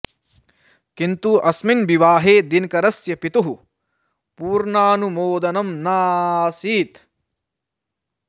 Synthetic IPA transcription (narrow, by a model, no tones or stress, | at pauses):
kint̪uʔɐsminbiʋaːɦeːd̪inkɐɾɐsjɐpit̪uɦu | puːɾɳaːnumoːd̪ɐnɐmnaːsiːt̪